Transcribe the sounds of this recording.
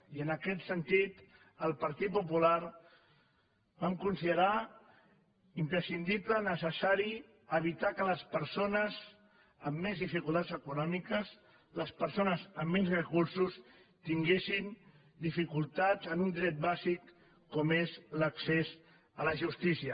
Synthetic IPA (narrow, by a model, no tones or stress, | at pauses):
iənəkɛt̪sənt̪it̪ | əlˠpəɾt̪it̪̚pupulaɾ | bamkunsiðəɾa | impɾəsind̪iplənəsəsaɾi | əβit̪akələspəɾsonəz | əmːezðifikulˠt̪adzəkunɔmikəz | ləspəɾsonəzəmːenzrəkuɾsus | t̪iŋɡesin | d̪ifikulˠt̪azənund̪ɾɛt̪̚bazikː | ɔmezləksez | ələʒust̪isiə